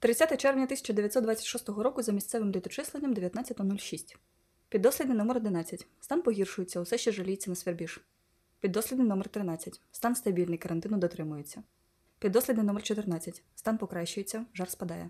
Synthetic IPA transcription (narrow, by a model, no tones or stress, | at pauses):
t̪ɾɪt͡sʲːat̪ɛt͡ʃɛrʋnʲɐt̪ɪsʲɐ̥t͡ʃɐd̪eʋʲjɐt̪ʲsɔt̪d̪ʋɑt͡sʲːɐ̥tʲʃɔst̪ɔɦɔɾɔkʊzɐmʲisʲt̪sɛʋɪmlʲit̪ɔt͡ʃɪslˠenʲːɐmd̪eʋʲjɐt̪nat͡sʲɐt̪ɔnulʲʃisʲtʲ | pʲid̪ːɔsʲlʲid̪nɪnɔmeɾɔd̪ɪnɑt͡sʲːɐtʲst̪ɑnpɔɦʲirʃʊjet͡sʲːɐʊsɛʃt͡ʃɛʒɐlʲijet͡sʲːɐnɐsʋʲerbʲiʃ | pʲid̪ːɔsʲlʲid̪nɪnɔmert̪ɾɪnɑt͡sʲːɐtʲst̪ɑnst̪ɐbʲilʲnɪjkɐɾʔɐnt̪ɪnʊd̪ɔt̪ɾɪmʊjet͡sʲːɐ | pʲid̪ːɔslʲid̪nɪnɔmert͡ʃɔt̪ɪrnɑt͡sʲːɐtʲst̪ɑnpɔkɾɑʃt͡ʃʊjet͡sʲːɐʒɑrspɐd̪ɑjɛ